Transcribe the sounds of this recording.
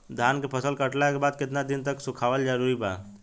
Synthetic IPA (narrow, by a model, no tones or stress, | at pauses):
d̪ʱankepʰəsəlkəʈlakebad̪̚kɪt̪nad̪int̪əksukʰaʋəld͡ʒəɾuɾiba̰